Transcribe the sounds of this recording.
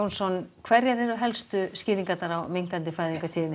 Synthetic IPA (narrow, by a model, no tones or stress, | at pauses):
ownsɔnkʰvɛɾjaɾɛɾʏɦɛlst̪ʏscɪːðiŋkat̪naɾawmiŋkant̪ɪfaːjðiŋkat̪ʰiːðɪnɪ